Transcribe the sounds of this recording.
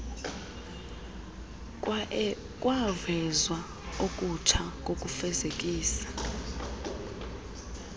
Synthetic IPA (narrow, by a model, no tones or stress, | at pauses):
kʼwavɛzwa | okʼutʰak̬ʼokʼufɛzek̬ʼiːsḁ